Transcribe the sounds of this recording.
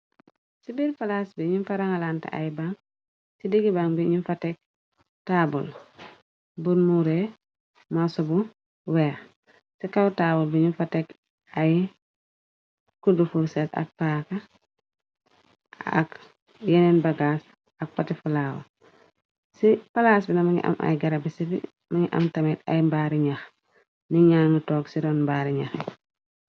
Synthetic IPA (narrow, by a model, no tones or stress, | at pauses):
sibiɾfalasbiɲunfaɾaŋalanta̰ʔa̰jibaŋ | sidiɡibaŋbiɲunfatɛk̚ | taːbṵl | bunmuɾe | masubu | wɛːx | sikawtaːbulbiɲufatɛk | aji | kudufuɾsɛsɐ̰k̚paːkɐ | a̰k | jɛnɛnbɐɡaːs | ɐk̚fɐtifulaːwɐ̰ | sipɐlaːsbinɐmaŋḭʔa̰mʔa̰jɡɐɾɐbisifḭ | mɐŋiʔɐ̰mtɐmitɐ̰jmbaːɾiɲɐx | niɲaːŋətɔːksiɾɔnmbaːɾiɲaxɛ